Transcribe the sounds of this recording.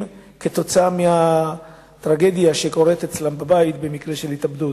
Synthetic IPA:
ket̪o̞t͡saameha | t̪ʁaɡe̞d̪jaʃeko̞ʁet̪et͡slambabait̪be̞mikʁe̞ʃe̞lhit̪abd̪ut

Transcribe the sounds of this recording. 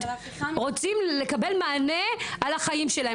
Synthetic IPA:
ʁo̞t͡simle̞kabe̞lmaːne̞alaχajimʃelahe

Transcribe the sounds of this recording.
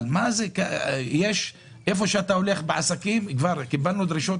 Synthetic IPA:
lmazekajeːʃ | ʔefoʃat̪aulexbʕasakiːmkvaɾˤkɪbalnud̪ɾɪʃot̪

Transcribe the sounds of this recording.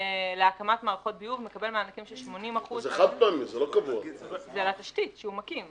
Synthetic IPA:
leakamat̪maːʁaχo̞t̪̚bijuvmekabelmeanakimʃelʃmo̞nimaχuzzeχad̪̚paːmimzelokavua̰zelat̪aʃtitʃeumakim

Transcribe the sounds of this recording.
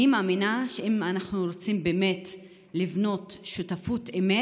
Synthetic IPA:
imaːminaʃeimanaχnuɾot͡simbeːme̞t | livno̞tʃutafuteme

